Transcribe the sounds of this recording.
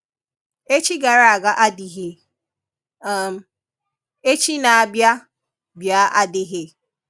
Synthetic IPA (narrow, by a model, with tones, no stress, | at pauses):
e˦t͡ʃi˦ɡa˨ɾa˦˨a˨ɡa˦ʔa˦di˨ɦɪ˨˦˨ | e˦t͡ʃi˦na˨a˨bja˦ | bja˦ʔa˦dɪ˦ɦɪ˨